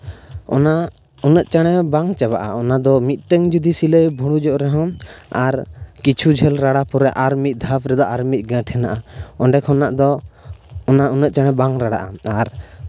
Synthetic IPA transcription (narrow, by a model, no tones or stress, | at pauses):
ɔ̰na | unəʔ̪̚t͡ʃaɽ̃ɛbaŋt͡ʃaβaʔaɔnad̪ɔmit̪̚ʈəŋd͡ʒud̪isiləjbʱuɽ̃ud͡ʒɔʔɾɛɦɔ̃aɾkit͡ʃʰud͡ʒʱɛlɾaɽapɔɾɛʔaɾmit̪̚ˀd̪ʱapɾɛd̪ɔʔaɾmic̚ˀɡɛ̃ʈʰɛnaʔaɔ̃ɖɛkhɔnaʔd̪ɔ | ɔnaunəʔ̚t͡ʃaɽ̃ɛbaŋɾaɽa̰ʔaaɾ